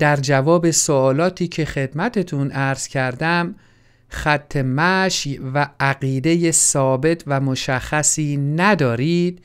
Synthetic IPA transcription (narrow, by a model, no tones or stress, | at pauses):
d̪̥æɾd͡ʒævɒːbe̞soɒːlɒːt̪ʰiːcʰe̞xe̞d̪̥mæt̪ʰe̞t̪ʰunæɾz̥cʰæɾd̪æm | χæt̪ʰːe̞mæʃvææɣiːd̪e̞jesɒːbe̞t̪ʰvæmoʃæxːæsiːnæd̪ɒːɾiːd̪̥̚